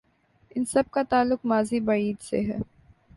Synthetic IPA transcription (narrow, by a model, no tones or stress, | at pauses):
ɪnsɐb̚kat̪aːlːʊqmaːzibɐɽiːd̪sḛɦɛː